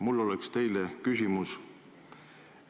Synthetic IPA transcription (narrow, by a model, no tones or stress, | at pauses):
mulːo̞lekst̪e̞jlekysʲimus